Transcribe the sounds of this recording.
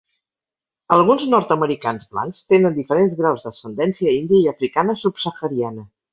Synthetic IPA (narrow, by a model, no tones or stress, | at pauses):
əlˠɣunznɔɾt̪əməɾikanzβla̰ŋkst̪enənd̪ifəɾenzɣɾawzðəsənd̪ɛnsiəind̪iəiəfɾikanəsupsəxəɾianə